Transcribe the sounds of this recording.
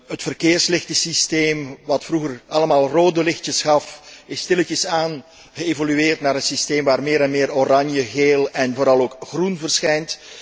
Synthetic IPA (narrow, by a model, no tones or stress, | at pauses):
ɦətfərkeːrslɪxtəsisteːmʋɑtfruɣərɑləmaːlˠroːdəlɪxtəsxɑfɪstɪlətəsaːn | ɣəeːvolyeːrtnaːɾənsisteːmʋaːrmeːɾɛnmɪːroɾɑnjəɣeːlɛnvoːɾɑlˠoːkxrunvərsxɛjnt